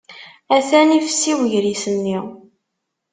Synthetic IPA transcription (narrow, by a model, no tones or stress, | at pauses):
æθænifsiwəʝɾisənːi